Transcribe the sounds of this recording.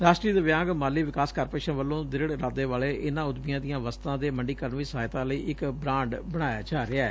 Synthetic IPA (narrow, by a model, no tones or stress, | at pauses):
ɾaːsʈɾiːd̪əʋjãːɡmaːliːʋɪkaːskəɾpeːʃənʋəlːõːd̪ɪɾɪɽɾaːd̪eːʋaːɭeːʔɪnãːʊd̪mijãːd̪ɪjãːʋəst̪ãːd̪eːməɳɖiːkəɾəɳʋiːsəɦaːjt̪ãːləiːʔɪkbɾãːɳɖbəɽ̃aːja̰ːd͡ʒaːɾɪaɛː